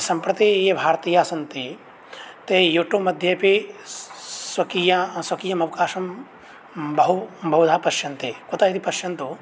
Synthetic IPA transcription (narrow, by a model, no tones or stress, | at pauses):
sɐmpɾɐt̪ijebʱaːɾt̪iːjaːsɐnt̪i | t̪ejuʈomɐd̪ʱjɐpi | sʋɐkijasʋɐkiːjɐmɐʋkaːʃɐm | bɐɦubɐɦud͡ʒ̪ʱaːpɐʃjɐnt̪ekot̪ait̪ipɐʃjɐnt̪u